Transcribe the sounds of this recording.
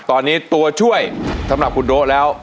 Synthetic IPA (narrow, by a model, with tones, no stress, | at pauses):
t̪ɔː˧nːi˨˦˥t̪u˧ət͡ɕʰu˥˩əjt̪ʰa˨˦˥mla˨˩ku˧˩nɗo˨˥ʔlɛː˨˦˥w